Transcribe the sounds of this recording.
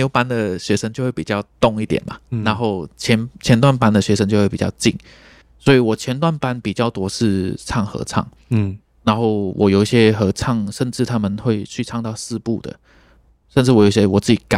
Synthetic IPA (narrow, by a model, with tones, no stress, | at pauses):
jo˧˥˩ʊpa˦nd̪ə˨ɕɥɛ˧˥ʂə˥ŋt͡ɕo˥˧ʊxwe˥˩pi˨˩t͡ɕjɑ˥˧ʊt̪ʊ˥˧˦ŋi˥˩t̪jɛ̰˨˩nmɐ̰˨na˧˥nxo˥˩ʊt͡ɕʰjɛ˧˦˥nt͡ɕʰjɛ˧˥nt̪wa˥˨npa˥nd̪ə˨ɕɥɛ˧˥ʂ̬ə˥ŋt͡ɕo˥˧we˥˩pi˨˩t͡ɕɑ˥˧ʊt͡ɕi˥˩ŋ | swɔ˧˥i˨˩wɔ˨˩t͡ɕʰjɛ˧˥nt̪wa˥˩npa˦npi˨˩t͡ɕjɑ˥˩ʊt̪wɔ˥ʂɻ̩˥˧t͡sʰɑ˥˩ŋxɤ̰˧˥t͡sʰɑ̰˥˩ŋ | na˧˥nxo˥˩ʊwʔɔ̰˨˩jo˨˩ʊi˥˩ɕjɛ˦xɤ˧˥t͡sʰɑ˥˧ŋʂə˥˧nʈ͡ʂɻ̩˥˩t̪ʰa˦˥mə˨nxwe˥˧ɪt͡ɕʰy˥˧ʈ͡ʂʰɑ˥˧ŋt̪ɑ˥˧ʊsɹ̩˥˧pu˥˩d̪ə̰˩ | ʂə˥˧nʈ͡ʂɻ̩˥˩wɔ˨˩jo˨˩i˧˩ɕjɛ˥wɔ˨˩t͡sɹ̩˥˩t͡ɕi˨˩ka̰˨˦